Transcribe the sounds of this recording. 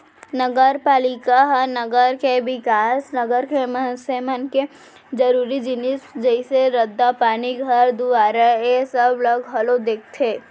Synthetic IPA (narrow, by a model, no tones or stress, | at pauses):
nəɡəɾpaːlɪkaɦənəɡəɾkeʋɪkaːsnɐɡəɾkeməɦsemənke | d͡ʒəɾuːɾid͡ʒɪnɪsd͡ʒəɪseɾəd̪ːapaːniɡʱɐɾd̪uʋaːɾaesəbləɡɦɐlod̪eːk̚ʰt̪ʰeː